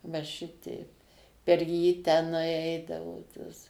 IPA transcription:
ʋɐ ˈʃʲɪtʲɛɪp pʲɛr jiː tʲɛˈnɐɪ ˈɛɪdɐʋoː toːs

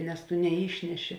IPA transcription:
nʲɛs tʊ nʲɛˈiːʃʲnʲɛˌʃʲɪ

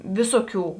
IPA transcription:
ˈʋʲɪsoː ˌkʲuː

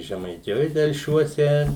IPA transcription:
ʒʲɛmɐɪˈtʲɪjoːj tʲɛlʲˈʃʲuɔsʲɛ

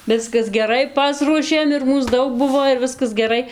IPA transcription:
ˈʋʲɪskɐs ɡʲɛˈrɐɪ ˈpɑːsruɔʃʲeːm ɪr ˈmuːs ˈdɐʊk ˈbʊʋoː ɪr ˈʋʲɪskɐs ɡʲɛˈrɐɪ

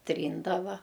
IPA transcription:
ˈtʲrʲiːndɐʋɐ

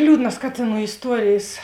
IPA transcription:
ˈlʲuːdnɐs ˈkɑːtʲeːˌnuː ɪsˈtuɔrʲeːjeːs

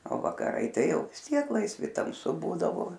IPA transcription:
oː ʋɐkɐˈrɐɪ ˈtɐɪ ˈjɛʊ ʋʲɪs ˈtʲiɛk lˠɐɪsʲˈʋʲɪ tɐmˈsʊ ˈbuːdɐʋoː

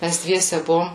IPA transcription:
ˈmʲæs ˈdʲʋʲiɛsʲɛ ˈbʊʋoːm

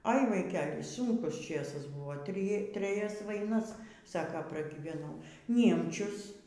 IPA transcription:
ɐɪ ʋɐɪˈkʲɛlʲ ˈsʊŋkʊs ˈt͡ʃʲeːsɐs ˈbʊʋoː ˈtʲrʲɪ tʲrʲɛˈjɛs ʋɐɪˈnɐs ˈsɑːkoː prɐɡʲiːʋʲɛˈnɐʊ ˈnʲiɛmʲt͡ʃʲʊs

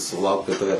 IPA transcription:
sʊˈlˠɐʊkt kɐt ˈtɑːʋʲɛ

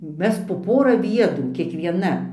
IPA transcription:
ˈmʲɛs poː ˈpoːrɐ ˈʋʲiɛdruː kʲiɛkʋʲiɛˈnɐ

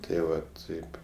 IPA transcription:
tɐɪ ˈʋɐ ˈtɐɪp

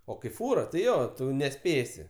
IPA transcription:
oː kɐɪ ˈfuːrɐ tɐɪ ˈjoː ˈtʊ nʲɛˈsʲpʲeːsʲɪ

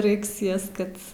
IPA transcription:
ˈrɐɪks ˈjɛs ˈkɐt

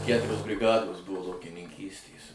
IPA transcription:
ˈkʲætʊrʲoːs bʲrʲɪˈɡɑːdoːs ˈbʊʋoː lˠɐʊkʲɪnʲɪŋʲˈkʲiːsʲtʲeːs

